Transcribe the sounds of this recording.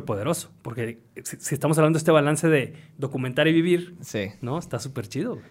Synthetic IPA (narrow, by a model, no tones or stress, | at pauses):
ɾpo̞ðe̞ɾo̞so̥po̞ɾke̞ | sisiest̪amosaβlandoest̪ealanse̞ðe̞ðo̞kument̪aɾiβiβiɾsinoest̪asupe̞ɾt͡ʃiðo